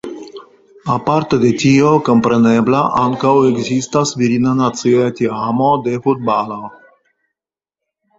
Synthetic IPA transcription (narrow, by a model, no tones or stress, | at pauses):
apaɾt̪ed̪et̪ioko̞mpɾeneblaʔaŋkaweɡzist̪asviɾinanat͡sioat̪iamod̪efud̪̚balo